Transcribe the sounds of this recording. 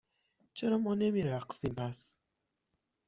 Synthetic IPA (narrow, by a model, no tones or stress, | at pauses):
t͡ʃʰe̞ɾɒmɒːnemiɾæqsimpʰæs